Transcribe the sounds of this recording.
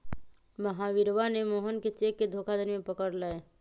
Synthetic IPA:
məɦaʋɪɾʋanemoːɦənket͡ʃeːkːed̪ʱoːkʰad̪ʱəɾmẽpəkəɾlae

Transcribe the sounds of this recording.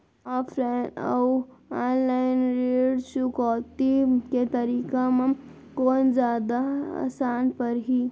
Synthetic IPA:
apʰɾeʈa̰waːnlajɪnɾeːɽt͡ʃukɔːt̪iket̪ɐɾiːkamã | koːnd͡ʒjaːd̪aa̰saːnpəɾɦi

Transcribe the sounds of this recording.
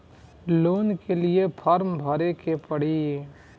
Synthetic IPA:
loːnkeliepʰəɾmbʱəɾekepəɽ̤i

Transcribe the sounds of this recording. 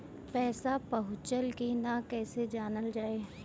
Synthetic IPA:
pɛːsapɐɦʊt͡ʃəlkinakɛːsed͡ʒaːnəld͡ʒaːeː

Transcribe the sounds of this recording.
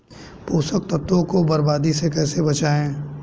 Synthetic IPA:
poːsəkt̪ɐt̪õkobɐɾbaːd̪isekɛːsebɐt͡ʃaːẽː

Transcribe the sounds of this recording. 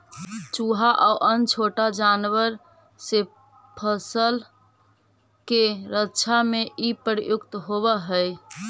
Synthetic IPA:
t͡ʃuɦaʔauʔənt͡ʃʰoʈad͡ʒanʋəɾ | se | pʰəsəl | keɾətːt͡ʃʰameʔipəɾijukt̪ɦoβəɦəj

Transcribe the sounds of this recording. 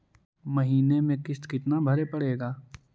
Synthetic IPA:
mɐɦiːnemẽkɪst̪kɪt̪nabʱɐɾepɐɽeːɡaː

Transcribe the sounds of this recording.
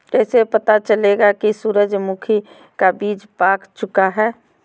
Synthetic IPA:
kɛːsepət̪at͡ʃəleɡakisuːɾəd͡ʒmukʰi | kabiːd͡ʒpaːkt͡ʃʊkaɦɛː

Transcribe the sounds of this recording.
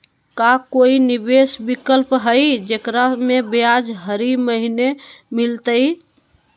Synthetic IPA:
kakoiniʋesbikəlpɦəjd͡ʒekɾamebead͡ʒɦəɾiməɦinemilt̪əj

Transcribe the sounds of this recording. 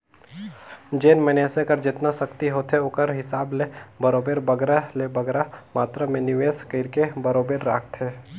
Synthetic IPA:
d͡ʒeːnmɛneːsekəɾd͡ʒɪt̪nasɐkt̪iɦoːt̪ʰɦeoːkəɾɦɪsaːblebɐɾoːbeːɾbɐɡɾalebɐɡɾamaːt̪ɾamẽnɪʋeːskəɪɾkebɐɾoːbeːɾːaːk̚ʰt̪ɦɛː

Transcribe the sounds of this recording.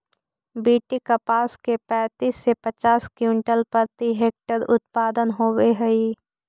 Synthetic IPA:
biːʈikəpaːskepɛ̃ːt̪iːsːepət͡ʃaːskjuɳʈəlpəɾt̪iɦeːk̚ʈəɾʊt̪̚paːd̪ənɦoːweɦɛi

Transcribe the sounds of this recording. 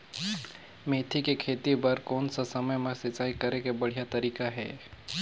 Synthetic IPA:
meːt̪ʰikekʰeːt̪ibɐɾkɔːnsasɐməjmẽsɪt͡ʃaːikɐɾekebɐɽ̤ijat̪ɐɾiːkaɦɛ̰ː

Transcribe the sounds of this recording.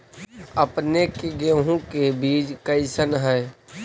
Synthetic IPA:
əpnekeɡeɦũkebiːd͡ʒkəɪsənɦɛː

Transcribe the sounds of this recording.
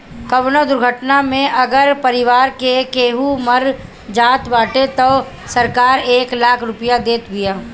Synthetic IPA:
kɐʋnod̪ʊɾɡʱəʈnamẽʔɐɡəɾpəɾɪʋaːɾkekeːɦumɐɾ | d͡ʒaːt̪baːʈet̪o | səɾkaːɾeːklaːkʰɾʊpɪjad̪eːt̪bɪjaː

